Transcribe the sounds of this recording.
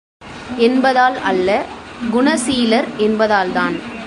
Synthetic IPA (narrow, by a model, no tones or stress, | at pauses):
ɛnbɐðaːlɐlːɐɡʊɳɐsiːlɐɾɛnbɐðaːlt̪aːn